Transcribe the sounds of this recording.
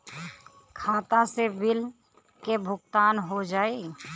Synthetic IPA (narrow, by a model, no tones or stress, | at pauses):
kʰaːt̪asebɪl | kebʱʊɡ̚t̪aːnɦod͡ʒaːe